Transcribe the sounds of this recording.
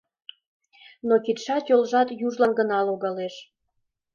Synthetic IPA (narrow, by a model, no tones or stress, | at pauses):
nokit̪ʃɑt̪jolʒɑt̪juʒlɑnɡənɑluɣɑleʃ